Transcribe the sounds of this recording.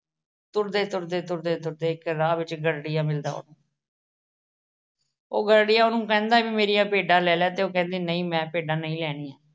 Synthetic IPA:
t̪ʊɾd̪eːt̪ʊɾd̪eːt̪ʊɾd̪eːt̪ʊɾd̪eːɪkɾaːʋɪt͡ʃɡəɽɽijãːmɪld̪a̰ːo̰ːnũː | o̰ːɡəɽɽɪjãːoːnũːkɛ̃ːnd̪aːʋiːmeːɾijãːpeːɖãːlɛːljaːt̪eːoːkɛ̃ːnd̪iːnəĩːmɛ̃ːpeːɖãːnəĩːlɛːɽ̃iːjãː

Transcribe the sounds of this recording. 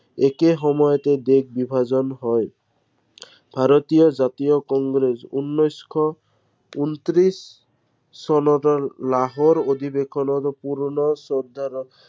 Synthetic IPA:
ekeɦɔmɔjɔt̪ed̪ekʰbibʱad͡ʒɔnɦɔj | bʱaɾɔt̪ijɔd͡ʒat̪ijɔkɔŋɡɾesunːɔjskʰɔ | unt̪ɾisː | ɔnɔɾɔlaɦɔɾod̪ʱibekʰɔnɔɾɔpuɾɳɔsɔd̪ʱːaɾɔ

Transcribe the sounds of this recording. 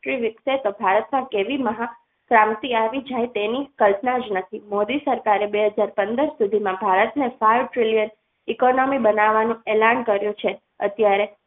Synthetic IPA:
ʈɾiʋɪkset̪obʱaɾət̪mãkeʋiməɦa | kɾamt̪iaʋid͡ʒajt̪enikəlpnad͡ʒnət̪ʰimod̪isəɾkaɾebeɦəd͡ʒaɾpənd̪əɾsud̪ʱimãbʱaɾət̪nefaiʋʈɾilijən | ikonomibənaʋːanũelankəɾjũt͡ʃʰe | ə̰t̪jaɾe

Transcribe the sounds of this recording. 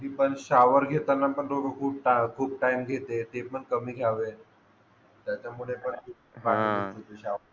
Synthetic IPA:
ɦiːpəɳɕaʋəɾɡʱet̪anːapəɳd̪oɾokʰuːb̚ʈakʰuːb̚ʈaimɡʱet̪et̪epəɳkəmiːɡʱjaʋe | t̪jat͡ɕjamuɭepəɳt̪u | baʈit̪ot̪oɕaə

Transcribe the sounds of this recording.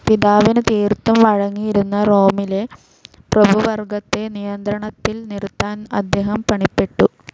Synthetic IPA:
piðaːʋinɨt̪iːrt̪ːɐmʋɐɻɐŋːijiɾunːɐro̞ːmile̞ | prɐbuʋɐrɡɐt̪ːe̞nijɐnd̪ɾɐɳɐt̪ːilnirut̪ːaːnɐ̰d̪ːe̞ːɦɐmpɐɳipːe̞ʈːu

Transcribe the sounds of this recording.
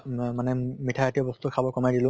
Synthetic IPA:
manɛmitʰajatiɔbɔst̪ukʰabɔkɔmajdilʊ̃

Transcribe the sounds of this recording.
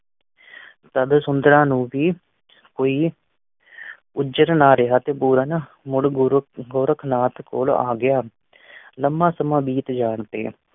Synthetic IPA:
t̪əd̪sʊnd̪ɾãːnũːʋiː | koːiː | ʊd͡ʒəɾnaːɾɪɦaːt̪eːpuːɾən | mʊɽɡɡoːɾəkʰnaːt̪ko̰ːla̰ːɡɪjaː | ləmbãːsəmãːbiːt̪d͡ʒaːɳt̪ḛː

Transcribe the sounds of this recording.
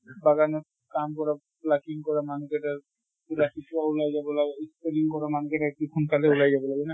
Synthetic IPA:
baɡane | kamkɔɾa | plakiŋkɔɾamanukeʈa | ɾakitaulajd͡ʑabelaɡeispeliŋkɔɾamanukeʈaekʈikʰunt̪aleulajd͡ʑabelaɡena

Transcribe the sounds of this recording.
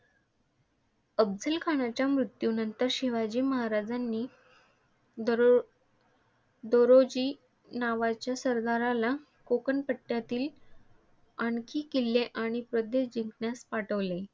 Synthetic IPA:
əb̚d͡zəlkʰaɽ̃at͡ɕjamɾut̪junənt̪əɾɕiʋad͡ʑiːməɦaɾad͡zanːiː | d̪oɾod͡ʑiː | naʋat͡ɕjasəɾd̪aɾala | kokənpəʈːjat̪iːl | aɳkʰiːkilːeʔaɽ̃ipɾod̪ed͡ʑiŋɡnaspaʈəʋle

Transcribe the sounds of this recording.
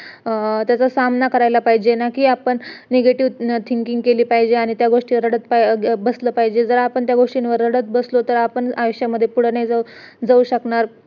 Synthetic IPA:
t̪jat͡sasamnakəɾajlapaɦid͡ʑenakiːapəɳneɡeʈiʋt̪ʰiŋɡkiŋɡ̚keliːpaɦid͡ʑeaɽ̃it̪jaɡoʂʈiʋɾəɽət͡s̪pabəsləpaɦid͡ʑed͡zəɾaːpəɳt̪jaɡoʂʈinʋəɾːəɽət͡s̪̚bəslot̪əɾapəɳaʋəɕjaməd̪ʱːjepuɽ̤najd͡zad͡zauɕəkɳaɾ

